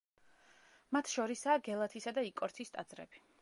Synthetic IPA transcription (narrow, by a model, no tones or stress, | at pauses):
mat̪ʰʃɔɾisaːɡɛlˠat̪ʰisad̪aikʼɔɾt̪ʰist̪ʼad̪zɾɛ̰b̥i